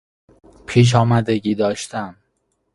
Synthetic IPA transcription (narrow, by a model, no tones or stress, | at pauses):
pʰiːʃ̬ɒːmæd̪e̞ɟiːd̪ɒːʃt̪ʰæm